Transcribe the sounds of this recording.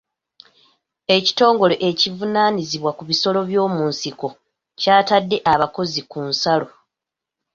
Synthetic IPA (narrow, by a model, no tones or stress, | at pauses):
e̞ci̥to̞ːŋɡo̞le̞ʔecivunaːniziβwakuβiso̞lo̞βjo̞ːmuːnsiko̞ | caːtadːe̞ʔaβako̞zikunsalo̞